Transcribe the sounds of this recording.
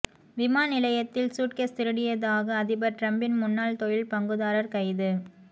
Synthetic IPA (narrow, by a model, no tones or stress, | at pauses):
ʋɪmaːnɪlɐjɐt̪ːɪlsuːʈ̚kɐst̪ɪɾɯɽɪjɐðaːɣɐːðɪbɐɾʈɾɐmbɪnmʊnːaːlt̪ɔjɪlpɐŋɡɯðaːɾɐɾkɐɪðɯ